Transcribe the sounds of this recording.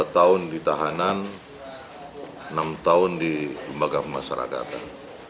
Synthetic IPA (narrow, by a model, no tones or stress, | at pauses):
at̪aʊndit̪aɦanan | ənamt̪aʊndiləmbaɡapəmaʃaɾa̰ka̰t̪a̰n